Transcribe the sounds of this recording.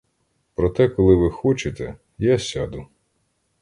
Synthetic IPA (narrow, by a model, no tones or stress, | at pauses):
pɾɔt̪ɛkɔlˠɪʋɪxɔt͡ʃet̪ɛ̰ | jasʲad̪ʊ